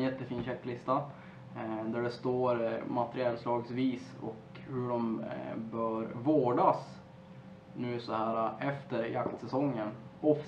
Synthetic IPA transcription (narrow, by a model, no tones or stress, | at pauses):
jɛt̪ːəfiːnɕɛkːlɪst̪a | d̪æɖɛst̪oːɾmat̪əɾɪɛlslɑːɡsviːsɔ̰k | hɵɖɔmbœːɾvoːɖas | nʉ̟ːsɔhæːɾaʔɛft̪əɾjakt̪sɛsɔŋːənɔf